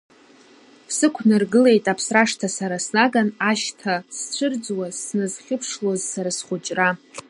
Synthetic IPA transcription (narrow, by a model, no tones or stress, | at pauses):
sɨkʷʰnɨrɡɨle̞jtʼapʰsraʂtʰasaɾasnaɡanaʃtʰast͡ɕʷʰɨrd͡zwazsnɨzχʲɪpʰʂlozsaɾasχʊt͡ʃʼra